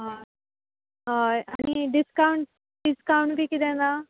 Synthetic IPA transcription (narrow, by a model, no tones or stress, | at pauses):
ɦa | ɦajaɽ̃iɖiskauɳʈ̚ | ɖiskauɳʈbʱiːkid̪ɛ̃na